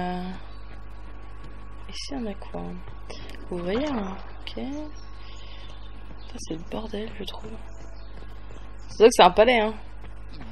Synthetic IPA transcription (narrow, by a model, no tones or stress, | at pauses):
esiɔ̃nakʰwa | vuvwajɛ̃ | ɔkʲʰe | ɑ̃fɛ̃sɛləbɔʁd̪ɛlʒət̪χuv | saswãkəsɛɛ̃palɛɛ̃